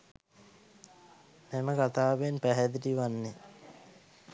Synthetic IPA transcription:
meməkat̪aːʋenpæɦɛd̪iʈiʋanːe

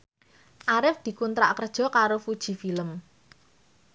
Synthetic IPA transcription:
ʔaɾɪfd̪̥i̤kunt̪ɾa̰ʔkərd̥ʒ̥ɔ̤kaɾofud̥ʒ̥i̤filəm

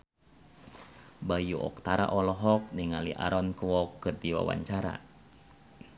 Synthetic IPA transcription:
bajuʔɔ̰k̚t̪aɾa̰ʔɔlɔɦɔk̚niŋaliʔa̰ɾɔnkwɔkːɨrdiwa̰wa̰ɲt͡ʃaɾa̰

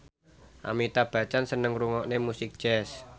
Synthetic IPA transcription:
ʔa̰mit̪ab̥ä̤t͡ʃansənəŋruŋɔʔnemusɪk̚d̥ʒ̥ɛs

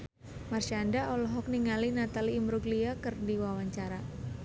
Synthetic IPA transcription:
marʃandaʔɔlɔɦɔk̚niŋalinat̪aliːmɾuɡliakərdiwawaɲt͡ʃaɾa

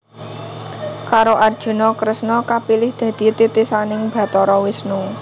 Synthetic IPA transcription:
kaɾoʔard̥ʒ̥ṳnɔkɾəsnɔkapilɪhd̪̥ä̤d̪̥i̤t̪it̪isanɪŋb̥ä̤t̪ɔɾɔwɪsnu

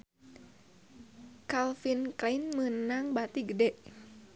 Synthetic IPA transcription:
kalfinklainmənaŋbat̪iɡədɛʔ

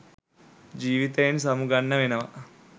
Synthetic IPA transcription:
d͡ʒiːʋit̪ɐjenisɐmuɡɐnːɐʋinɐʋɐ

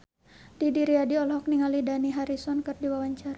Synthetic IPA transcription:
d̥idiɾiadiɔlɦɔk̚niŋalidaniɦaɾisɔnkɨrdiwawaɲt͡ʃaɾa

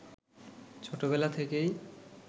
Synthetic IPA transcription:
t͡ɕʰoʈoβelat̪ʰekej

